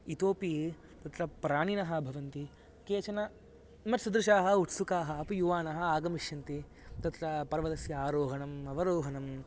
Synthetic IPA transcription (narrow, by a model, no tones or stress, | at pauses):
it̪oːpi | t̪ɐt̪ɾɐpɾaːɳinɐɦɐ̆bʱɐʋɐnt̪i | keːt͡ʃɐnɐ | mɐʈsud̪ɾuʃaːɦɐ̆uʈsukaːɦɐːpujuʋaːnɐɦɐaːɡɐmiʃjɐnt̪i | t̪ɐt̪ɾɐpɐɾʋɐd̪ɐsjɐaːɾoːɦɐnɐmɐʋɐɾoːɦɐnɐm